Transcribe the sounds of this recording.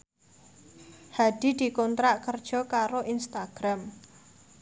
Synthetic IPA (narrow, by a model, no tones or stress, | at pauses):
had̪̥i̤d̪̥i̤kɔnt̪ɾaʔkərd̥ʒ̥ɔ̤kaɾoʔinst̪aɡ̥ɾam